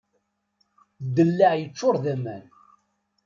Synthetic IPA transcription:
d̪ːəlːaʕjət͡sːʊɾˤðæmæ̰n

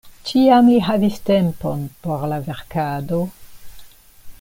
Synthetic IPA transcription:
t͡ʃiamliɦavistemponpo̞ɾlave̞ɾkado̞

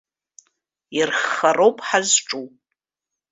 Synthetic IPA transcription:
irχarowpʼħazʈ͡ʂʼu

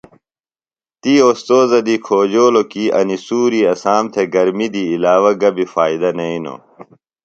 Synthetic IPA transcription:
t̪iːoːst̪oːzɐd̪ikʰoːd͡ʑoːlokiɐ̰nisuːɾiːɐsaːmt̪ʰeɡɐɾmid̪iːlaːwɐɡɐbifaːid̪ɐnɐino̰

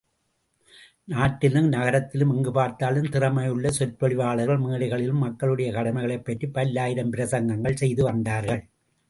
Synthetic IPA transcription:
naːʈːɪlɯmnɐɣɐɾɐt̪ːɪlɯmɛŋɡɯpaːɾt̪aːlɯmt̪ɪrɐmɐjɯɭːɐsɔɾpɔɭɪʋaːɭɐɣɐɭmiːɽɪɣɐɭɪlɯmːɐkːɐɭɯɽɐjɐkɐɽɐmɐɪɣɐɭɐɪpːɐʈripːɐlːaːjɪɾɐmpɪɾɐsɐŋɡɐŋɡɐɭsɛjðɯʋɐnd̪aːɾɣɐɭ

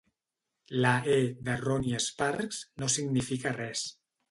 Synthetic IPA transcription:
laeðəroniəspaɾkz̥nosiɡnifikarɛs

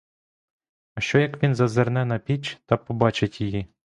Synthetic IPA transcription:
ɐʃt͡ʃɔjɐkʋʲinzɐzernɛnɐpʲit͡ʃt̪ɐpɔbɑt͡ʃetʲjiji

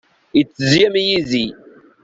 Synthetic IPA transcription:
it͡szijemijizi

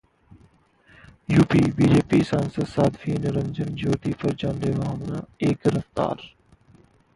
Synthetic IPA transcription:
juːpiːbiːd͡ʒeːpiːsaːnsəd̪saːd̪fiːnɾə̃nd͡ʒənd͡ʒoːt̪iːpɐɾd͡ʒãːnd̪eːʋaːɦmna̰ːeːkɾəft̪a̰ːɾ

